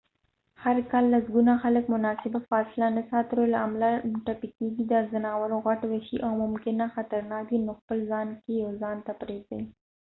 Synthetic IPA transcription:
haɾkɑlːasɡunaxaləkmʊnɑsɪbafɑsɪlanasɑt̪əɾolaːmlaʈapikeɡid̪əzanɑwaɾoɣaʈwaʃiʔawmʊmkɪnaxat̪aɾnɑkd̪inoxpəlzɑnkejawzɑnt̪apɾezəi

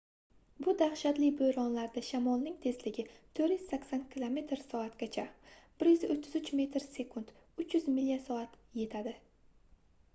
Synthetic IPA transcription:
bʊd̪aχʃat̪lɪbojɾɒnlaɾd̪aʃamɒlˠnɪŋt̪ʰe̞slɪɡʲɪt̪ʰɵɾjʏz̥sakʲsankʰʲɪlˠome̞t̪ɾsɒat̪ɡʲat͡ʃʰab̥ɪɾjʏzot̪ʰːɪzʊt͡ʃme̞t̪ɾse̞kʰʊnd̪̥ | ʊt͡ʃjʏzmɪlːijasɒat̪je̞t̪ʰad̪ɪ

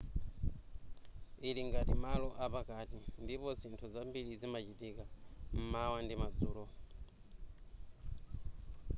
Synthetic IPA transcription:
iliŋɡatimalɔʔapakatindipɔzintʰuzambilizimat͡ʃitikam̩mawandimad͡zuːlɔ

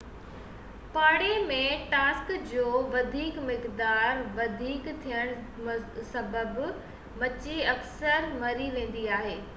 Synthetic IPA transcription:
paːɽemẽʈaːskd͡ʑoːʋɐd̪ʱiːkmɪkd̪aːɾʋɐd̪ʱiːkt̪ʰijəɽ̃sɐbəb | mɐt͡ɕiɐksəɾmɐɾiʋẽːn̆d̪iaːɦeː

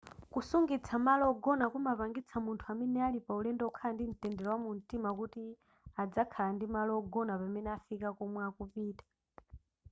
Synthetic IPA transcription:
kusuŋɡit͡sʰamalɔɔɡɔnakumapaŋɡit͡sʰamuntʰuamɛnɛalipaulɛndɛukʰalandin̩tɛndɛɾɔwamun̩timakuti | ad͡zakʰalandimalɔɔɡɔnapamɛnɛafikakɔmwɛakupiːtḁ

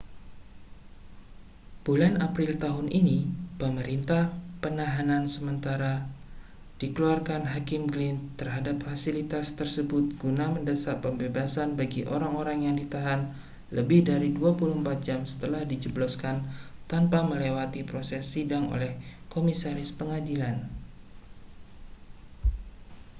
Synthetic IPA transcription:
b̥ulanʔapɾɪlt̪aɦʊnʔinipəməɾint̪ahpənaɦanansəmənt̪aɾa | d̥ikəluarkanɦakɪmɡlɪnt̪ːərɦadap̚fasilit̪ast̪ərsəbʊt̪̚ɡ̥unaməndəsapəmbebasanbaɡiʔoɾaŋoɾaŋjaŋdit̪aɦan | ləbɪhdaɾiduapulumpat̪̚d͡ʒamsə̥t̪əlahdid͡ʒəblɔskant̪anpaməlewat̪ipɾosɛsːidaŋo̰lɛhkomisaɾɪspəŋadilan

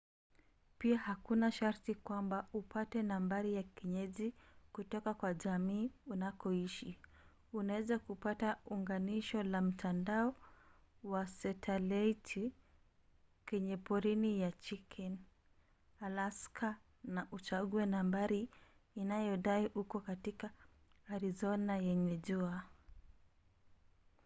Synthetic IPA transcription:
piahakunaʃaɾtikwambaupatɛnambaɾijakiɲɛzikutɔkakwaʄamiːunakɔiʃi | unawɛzakupatauŋɡaniʃɔlam̩tʰandaɔ | wasɛtʰɛlaitʰ | kɛɲɛpɔɾinijat͡ʃikʰɛn | alaskʰa | naʔut͡ʃaɠuɛnambaɾiː | najɔɗaiʔukɔkatika | aɾizɔnajɛɲɛʄua

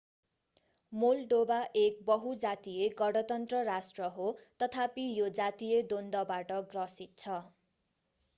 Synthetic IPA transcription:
molɖobaʔek̚bʌɦud͡zat̪ijeɡʌɽʌt̪ʌnt̪rʌrasʈrʌɦot̪ʌt̪ʰapijod͡zat̪ijed̪ond̪ʌbaʈʌɡrʌsit̪̚t͡sʰʌ

